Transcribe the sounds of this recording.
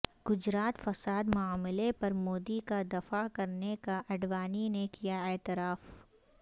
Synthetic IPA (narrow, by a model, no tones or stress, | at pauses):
ɡ̥ʊd͡ʒɾaːt̪fɐsaːd̪mʊaːmɪlepɐɾmoːd̪ikad̪ɐfakɐɾnekaʔɐɖʋaːninekijaɛːt̪ɪɾaːf